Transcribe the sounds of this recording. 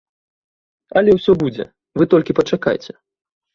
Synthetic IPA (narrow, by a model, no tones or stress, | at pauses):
ɐlʲɛwsʲɔbud͡zʲɛ̰ | vɨt̪ɔlʲkʲipɐt͡ʂaka̰jt͡sʲɛ